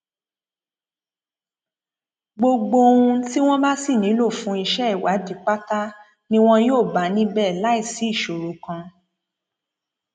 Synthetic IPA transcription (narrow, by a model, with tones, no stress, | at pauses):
ɡ͡bo˧ɡ͡bo˧ũ˧ti˦w̃ɔ̃˦ba˦si˦˨nĩ˨˦lo˦˨fũ˨˦i˧ʃɛ˦i˨wa˨˦di˨˦k͡pa˦ta˦ | nĩ˦w̃ɔ̃˦joː˦˨ba˨˦nĩ˦bɛː˦˨la˨˦i˦˨si˨˦i˦˨ʃo˨ɾo˨˦kã˧